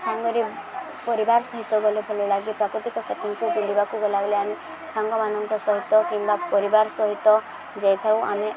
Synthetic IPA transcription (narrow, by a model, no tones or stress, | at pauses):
saŋɡɔɾi | pɔɾibaɾsɔɦit̪ːɔɡɔlebʱɔlelaɡipɾakɾɔt̪ikɔseʈiŋkuɡulibakuɡɔlaɡɔleami | saŋɡɔmanɔŋkɔsɔɦit̪ːɔkimbapɔɾibaɾɔsɔɦit̪ːɔ | d͡ʒejt̪ʰawame